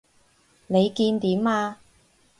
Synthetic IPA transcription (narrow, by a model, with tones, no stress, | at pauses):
ne˨˧jkiː˧nt̪iː˨˥maː˧